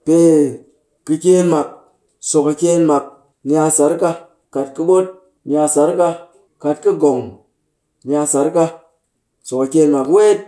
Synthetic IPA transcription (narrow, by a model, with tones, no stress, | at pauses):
pe˧ | kːɨ˧kʲe˦nma˨k̚ | so˨ka˧kʲe˦˧nma˨k̚ | nʲ˦˧a˧sa˨˦ɾka˧ | ka˨t̚kɨ˧ɓo˦t̚ | mʲja˧sa˨˦ɾka˧ | ka˨tkɨ˦ɡo˨ŋ | mʲja˧sa˨˦ɾka˧ | so˨ka˨kʲe˧nma˨kwe˦t̚